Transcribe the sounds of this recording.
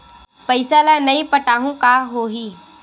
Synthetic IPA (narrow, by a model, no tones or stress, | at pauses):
pəɪsalanɐĩpəʈaːɦũkaɦoːɦiː